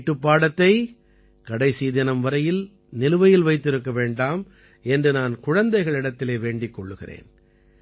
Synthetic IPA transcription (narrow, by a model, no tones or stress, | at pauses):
ʈːɯpːaːɽɐt̪ːɐɪ | kɐɽɐɪsiːðɐnɐmʋɐɾɐjɪl | nɪlɯʋɐjɪlʋɐɪt̪ːɪɾɯkːɐʋeːɳɖaːm | ʔɛndrɯnaːnkʊɻɐnd̪ɐɪɣɐɭɪɽɐt̪ːɪleːʋeːɳɖɪkːɔɭːɯɣɪ̰rḛːn